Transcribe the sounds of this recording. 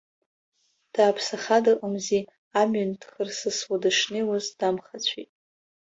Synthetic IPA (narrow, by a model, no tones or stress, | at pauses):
d̥aːpʰsaχadaqʼəmzi | amɥʏndχərsɨswadɨʂnewazd̥amχat͡ɕʷʰitʼ